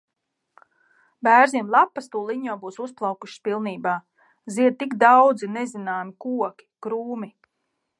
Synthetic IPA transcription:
bæːɾziɛmlˠapːast̪uːlˠiɲuɔbuːsusplˠɑwkuʃspilˠniːbaː | ziɛd̪̚t̪ikd̪awd̪zinezinaːmikuɔkʲi̥kɾuːmi

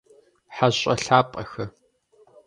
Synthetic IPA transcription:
ħaɕʼɐ̰ɬaːpʼɐxɐ

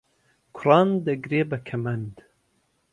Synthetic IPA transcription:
kʰʊrɑːnd̪ɐɡɾeːbɐkʰɐmɐnd̪

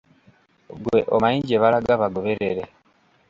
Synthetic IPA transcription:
ɡwḛʔomaiɲɟeβaɾaɡaβaɡoβeɾeɾe

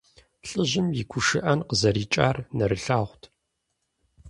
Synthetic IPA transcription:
ɬʼɨʑɪmjikʷʰʊʃɨʔɐnqəzɐɾiːt͡ʃʼa̰ːrnɐɾɨɬaːʁʷtʰ

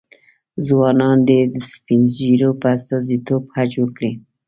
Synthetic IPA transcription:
zwɑnɑnd̪ed̪əspind͡ʒiɾopəast̪ɑzit̪obhat͡ʃwəkɽi

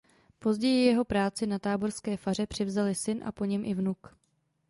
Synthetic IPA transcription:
po̞zɟɛjɪjɛɦo̞pɾaːt͡sɪnat̪aːbo̞rskɛːfar̝ɛpr̝̥ɪvzalɪsɪnʔa̰po̞ɲɛmʔɪvnuk

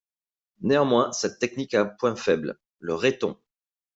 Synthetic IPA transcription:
neɑ̃mwɛ̃sɛt̪ːɛk̚nikapwɛ̃fɛbl | ləʁet̪ɔ̰̃

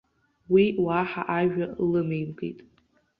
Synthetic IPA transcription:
wiwaħaʔaʒᶣalɨmejmɡḛjtʼ

